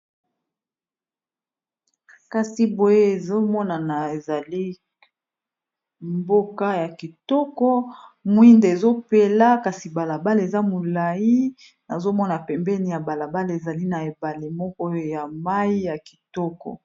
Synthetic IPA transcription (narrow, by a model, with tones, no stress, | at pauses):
ka˦si˦bo˨je˦e˨zo˦mɔ˦na˨na˨e˨za˨li˦ | mbo˦ka˦ja˨ki˨tɔ˦kɔ˦mwi˦nde˨zo˦pe˦la˦ka˨si˨ba˨la˨ba˦le˨za˦mo˨la˨i˦ | na˨zo˦mɔ˦na˨pɛ˨mbɛ˦ni˨ja˨ba˨la˨ba˦le˨za˨li˦na˨e˨ba˨li˨mɔ˦kɔ˦ja˨ma˦i˦ja˨ki̥˨tɔ˦kɔ̰˨